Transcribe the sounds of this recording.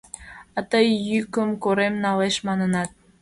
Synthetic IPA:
ɑt̪əjːykəmkoɾemnɑleʃmɑnə̆nɑt̪̚

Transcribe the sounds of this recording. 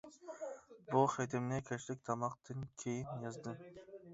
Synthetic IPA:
buχejd̪ɪmnɪkʲʰɛt͡ʃlɪk̚ʲt̪ʰɑmɑq̚t̪ʰɨnkʲʰejinjɑzd̪ɨ

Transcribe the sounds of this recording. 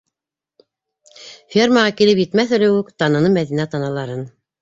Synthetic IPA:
fʲermɑʁɑkilɘpjɘ̆t̪mæθɵ̆ɾɘ̆wʉkt̪ɑnɤ̆nɤmæðinæt̪ɑnɑlˠɑɾɤn

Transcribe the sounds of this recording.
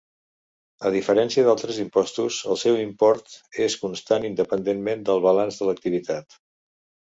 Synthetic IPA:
əðifəɾɛnsiəðalˠt̪ɾəzimpɔst̪uzəlˠsɛwimpɔɾt̪eskunst̪anind̪əpənd̪enmend̪əlˠβəlanzðələk̚t̪iβ̞it̪at̪

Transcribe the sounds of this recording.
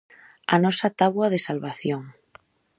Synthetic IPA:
anɔsat̪aβwaðesalβaθjoŋ

